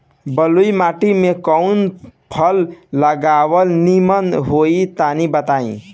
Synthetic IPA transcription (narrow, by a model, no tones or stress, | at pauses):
bəluimaʈimekəwnpʰəlːəɡawəlnimənɦoit̪anibət̪aĩ